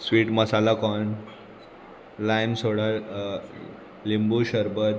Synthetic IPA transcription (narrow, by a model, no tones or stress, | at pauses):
sʋiːʈməsalakɔɳ | lajmsoɽa | limbuɕəɾbət̪